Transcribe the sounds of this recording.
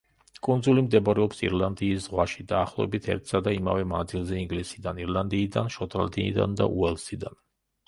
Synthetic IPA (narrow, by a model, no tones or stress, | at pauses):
kʼund̪zulimd̪ɛbɾɛɔpsḭɾlˠand̪iːszʁwaʃi̥d̪aːχlˠɔ̰ɛ̰bit̪ʰɛ̰ɾt̪ʰsad̪aima̰vɛmand̪zilˠzɛiŋɡlisid̪aniɾlˠand̪iːd̪anʃɔt̪ʼa̰ld̪inḭd̪a̰nd̪a̰ʔuɛlˠsid̪an